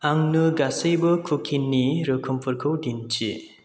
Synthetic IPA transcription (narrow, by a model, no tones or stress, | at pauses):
aŋnɯɡasɯjbɯkʰukʰinːiɾɯkʰɯmpʰɯɾkʰɯwdint͡ʃḭ